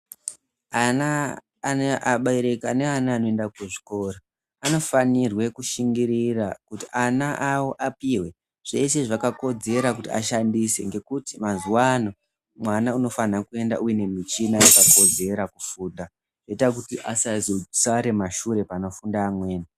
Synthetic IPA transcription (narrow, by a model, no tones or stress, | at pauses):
anaː | neʔaɓaiɾekaneanaːno̞endakeʐi̥ko̞ːro | ano̞fanirwe̞kuʃiŋɡiɾirakutiʔanaʔawo̞ʔapiːwe̞ | ʐ̥e̞seʐakako̞d͡ze̞ɾakutia̰ʃandise̞̰ŋɡe̞kutimazuwano | mwanauno̞fanakue̞nda̰ʔujene̞mit͡ʃinaakako̞d͡ze̞ɾakufuːda | ʐ̥eitak̬utiʔasazosaɾe̞maʃuɾe̞paːno̞fundaːmwe̞ːna